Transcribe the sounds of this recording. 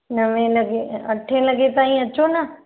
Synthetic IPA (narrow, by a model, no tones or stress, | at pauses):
nɐʋẽlɐɡeɐʈʰẽlɐɡet̪aːĩɐt͡ɕonɐ